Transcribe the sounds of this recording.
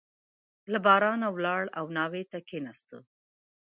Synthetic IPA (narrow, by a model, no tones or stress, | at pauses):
labɑɾɑnawlɑɽawnɑwet̪akenast̪ə̰